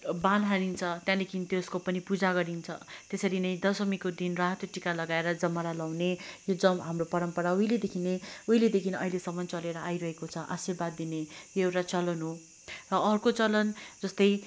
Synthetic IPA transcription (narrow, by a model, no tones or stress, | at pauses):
bãnɦanint͡sʰʌt̪jãlekʰinit̪jouskopʌnipud͡zaɡʌɾint͡sʰʌ̰t̪esʌɾinʌjd̪ʌsʌmikod̪inraɦʌt̪joʈikalʌɡaeɾʌd͡zʌmaɾalawnejod͡zʌmɦamropʌɾʌmpʌɾauɦiled̪ekʰineuɦiled̪ekʰinʌɦilesʌmʌnt͡sʌleɾʌʔajɾʌɦekot͡sʰʌʔa̰sirbad̪̚ːinejoewʈat͡sʌlʌnɦo | rʌʌrkot͡sʌlʌnd͡zʌst̪ʌj